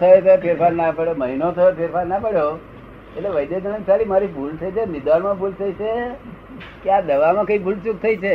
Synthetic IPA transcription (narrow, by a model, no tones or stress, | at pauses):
t̪ʰəet̪əpʰeɾpʰaɾnapəɽjoməɦinot̪ʰəopʰeɾpaɾnapəɽjo | eʈleʋəjd̪ed͡ʒənəksʰalimaɾibʱult̪ʰəit͡ʃʰemɪd̪ʋanmãbʱult̪ʰəit͡ʃʰe | kead̪əʋamãkəibʱult͡ʃuk̚t̪ʰəit͡ʃʰe